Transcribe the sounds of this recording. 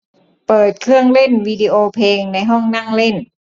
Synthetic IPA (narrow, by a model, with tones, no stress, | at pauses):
pɤː˨˩t̪̚kʰɯ˧˥əŋle˥˨nwiː˧diː˧ʔoː˧pʰeː˧ŋna˧˥jɦɔ˥˩ŋna˥˩˨ŋle˥˩˨n